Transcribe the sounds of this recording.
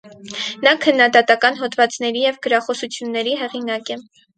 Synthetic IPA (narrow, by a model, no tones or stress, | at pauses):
nɑkʰənːɑd̪ɑt̪ɑkɑnɦɔt̪vɑt͡snɛɾijɛvɡəɾɑχɔsut͡sʰjunːɛɾiɦɛʁinɑkɛ